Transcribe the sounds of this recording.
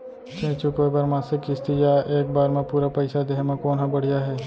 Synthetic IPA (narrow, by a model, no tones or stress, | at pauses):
t͡ʃẽːt͡ʃukʋebɐɾmãːsɪkɪst̪ijaʔeːk̚baːɾmẽpuːɾapɐɪsad̪eːmãkoːnɦãbɐɽ̤ijaɦɛː